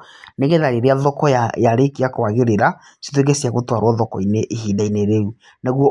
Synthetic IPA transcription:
neɣeðaɾeɾeaðɔkɔjajaɾekiakowaɣeɾeɾa | si̥tweɡesiaɣotwaɾwɔðɔkɔineʔːhiːdaineɾeu | naɣwɔ

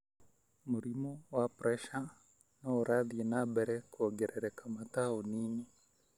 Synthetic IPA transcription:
muɾimɔwapɾɛʃa | naɔɾaðinabɛɾɛkuɔɡɛɾɛɾɛkamataɔnini

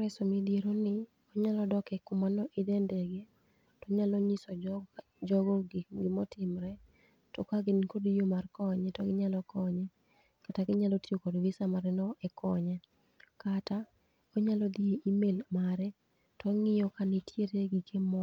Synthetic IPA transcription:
ɾɛsɔmidieɾonɪ | ɔɲalɔdɔkɛkʊmanɔʔɪdɛndɛɡe | tɔɲalɔɲɪsɔ | d͡ʒɔɡɔɡɪmɔtɪmɾɛ | tɔkaɡɪnkodijomarkɔɲɛtɔɡɪɲalɔkɔɲɛ | kataɡɪɲalɔtjokɔdwisamaɾɛnɔʔɛkʰɔɲɛ | kata | ɔɲalɔd̪ieʔimelmaɾɛ | tɔŋɪjɔkanitʰjeɾeɡikʰemɔ

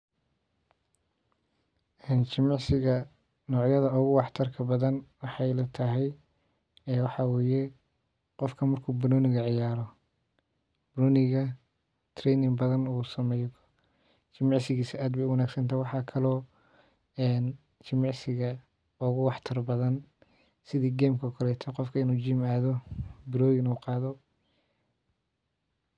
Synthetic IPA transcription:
ʔɛːnt͡ʃɪmɑʕsɪɣɐ | nɔːʕjɐðɐɔɣʊwɑħt̪ʰɐrkʰɐbɐðɐnwɑħɑjlɐt̪ʰɐɦɛj | ɛwɑħɑwɛːjɛ | qɔfkʰɐmɐrkʰuːbʊɾɔːnɪɣɐʕɪjaːɾɔ | bɾɔːnɪɣɐ | t̪ʰrɛːnɪŋbɐðɐnuːsɐmɛj | t͡ʃɪmɑʕsɪɣiːsɪʔaːd̪bɛjʊwɐnaːɡsɐnt̪ʰaːwɑħɑːkʰɐlɔː | ɛːn | t͡ʃɪmɑʕsɪɣɐ | ɔɣʊwɑħt̪ʰɐrbɐðɐn | sɪðiːɡɛːmkʰɐkʰɐlɛt̪ʰɐqɔfkʰɐɪnuːt͡ʃiːmaːðɔbɪɾɔːjnuːqɑːðɔ

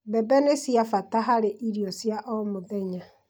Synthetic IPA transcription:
bɛbɛnesjafataɦaɾeʔiɾjɔsjaʔɔmoðɛɲa

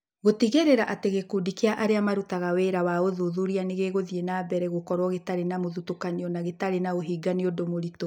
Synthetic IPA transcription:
ɣotiɣeɾeɾaʔateɣekudikeaʔaɾeamaɾutaɣaweɾawaoðuðuɾianeɣeɣoðienaːbɛɾɛɣokɔɾwɔɣetaɾenamoðutokaɲiɔnaɣetaɾenaoɦiːɡaniodomoɾito

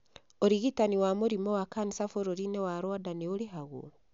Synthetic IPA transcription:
oɾiɣitaniwamoɾimɔwakanisafoɾoɾinewaɾwadaneoɾeɦaɣo̰

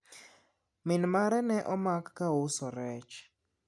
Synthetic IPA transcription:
mɪnmaɾɛnɛʔɔmakːaʊsɔɾɛt͡ʃ

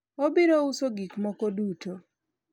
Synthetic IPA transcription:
obiɾousoɡikmɔkoduto

